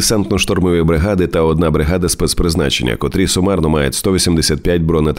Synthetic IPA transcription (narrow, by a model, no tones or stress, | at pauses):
sɛnt̪nɔʃt̪ɔrmɪʋiibɾɪɦɑd̪ɪt̪ɐɔd̪nɑbɾɪɦad̪ɐspɛspɾɪznɑ̰t͡ʃḛnʲːɐ̰kɔt̪ɾʲisɔmɑrnɔmɑjetʲst̪ɔʋʲisʲimd̪esʲat̪̚pʲjatʲbɾɔnet̪